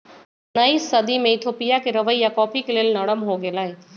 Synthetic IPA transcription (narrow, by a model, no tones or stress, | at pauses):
nəisəd̪imẽɪt̪ʰoːpijakeɾəʋəijakɔːpʰikeleːlnəɽ̃əmɦoɡelaːɦe